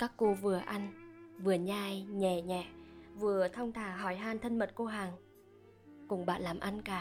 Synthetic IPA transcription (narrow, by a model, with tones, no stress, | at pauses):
kaː˦˥kːo˧vɨ˨˩əʔa˧nvɨ˨˩əɲaː˧˩jɲɛ˧˩ɲɛ̰˧˨vɨ˨˩ət̪ʰa˧wŋ͡mt̪ʰaː˧˩ɦɔ˧˩˦jɦaː˧nt̪ʰə˧nmə˨˩t̚ko˧ɦaː˨˩ŋ | kʊ˨˩ŋ͡mɓa̰ː˧˨nlaː˨˩mʔa˧nkaː˧˩